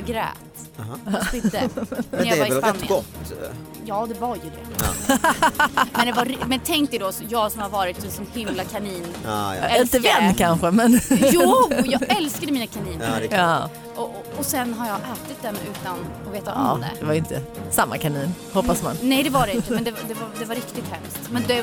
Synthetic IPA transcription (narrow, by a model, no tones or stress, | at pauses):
ɡɾɛ̰ːt̪ | ɪəɛɾjavaɾɪspnːɪɡɔt̪ː | jɑːd̪ɛvaɾjɵd̪ɛ̰ | mɛnd̪ɛvamɛnt̪ʰɛŋkt̪əd̪ɔsjɑːɡsɔmhaɾvɑːɾɪt̪ːsiːsɔnhɪmlakʰaniːnɛɪnt̪əvɛnːkʰanɧəmɛnjuːjjɑːɡɛlskad̪əmiːnakʰaniːnəɑː | ɔ | ɔsɛnɦaɾjɑɡʔɛːt̪ɪt̪̚d̪ɛmʉ̟ːt̪anɔveːt̪aɔmːd̪ɛ̰d̪ɛvaɾɪnt̪ə̰samːa̰kʰaniːn | hɔpːasma̰nnɛjd̪ɛvaɖɛɪnt̪əmɛnd̪ɛd̪ɛvd̪ɛvaɾɪkt̪ɪt̪hɛ̰mst̪mɛnd̪ɛ